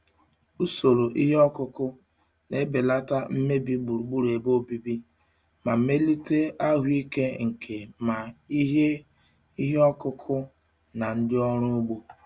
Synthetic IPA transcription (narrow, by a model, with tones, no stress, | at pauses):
u˦so˨ɾo˨ʔi˦ɦe˦ɔ˦kʊ˦kʊ˦ | ne˨˦be˨la˦ta˦m̩˦me˦bi˦ɡ͡bu˨ɾu˨ɡ͡bu˦ɾe˨bo˦bi˦bi˦ | ma˨˦me˦li˦te˦ʔa˦ɦʊ˦i˦ke˦ŋ̩˨kʰe˨ma˨i˦ɦe˦ | i˦ɦe˦ɔ˦kʊ˦kʰʊ˦ | na˨n̩˦dɪ˦ɔ˦ɾ̃ʊ˦ɡ͡bu˦